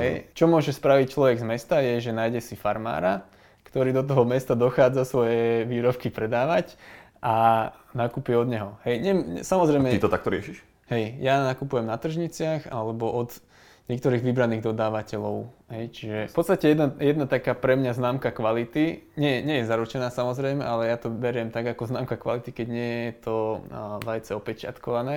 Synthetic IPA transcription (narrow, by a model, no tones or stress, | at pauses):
ɦɛjt͡ʃɔmʊɔʒɛspɾaʋic̚t͡ʃlɔʋɛɡzmɛst̪ajɛʒɛnaːjɟɛsifaɾma̰ːɾa | kt̪ɔɾiːd̪ɔt̪̬ɔɦɔmɛst̪ad̪ɔxaːd͡zasʋɔjɛʋiːɾɔp̚kipɾɛd̪aːʋac | ʔa | nakupiɛɔd̪ɲɛɦɔɦɛjɲɛmɲɛ̰samɔzɾɛjmɛit̪ɔt̪ak̚t̪ɔɾɪɛʃiʃ | hɛjjanakupujɛmnat̪r̩ʒɲit͡sɪaxa̰lɛbɔʔɔd̪ | ɲɪɛk̚t̪ɔɾiːɣʋibɾaniːɣd̪ɔd̪aːʋacɛlɔʊɦɛjt͡ʃiʒɛfpɔtst̪acɛjɛd̪ajɛd̪nat̪akaːpɾɛmɲaznaːmkakʋalit̪iɲɛjɛɲɛjɛzaɾut͡ʃɛnaːsamɔzɾɛjmɛ̰ʔalɛjat̪ɔbɛɾɪɛmt̪aɡakɔznaːmkakʋa̰lit̪ikɛɟɲɪɛjɛt̪ʰɔlajt͡sɛɔpɛt͡ʃɪa̰t̪kɔʋanɛː